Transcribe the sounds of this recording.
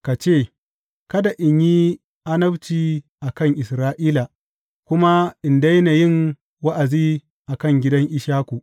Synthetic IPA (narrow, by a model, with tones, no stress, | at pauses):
ka˨t͡ʃeː˦˨ | kɐ˦da˨ʔɪ˨ɲji˦ | ʔa˦nɐ˦bt͡ʃiː˨ | ʔa˨kɐ˦ŋʔɪ˨sɾaː˦ʔiː˦la˨ | kʷʊ˦ma˦ʔɪ˨nda˦jna˨jɪ˦ŋ | wɐ˦ʔa˨ziː˦ | ʔa˨kɐ˦˨ŋɡʲɪ˦dɐ˦ŋʔɪ˦ʃaː˦kʷu˨ʔ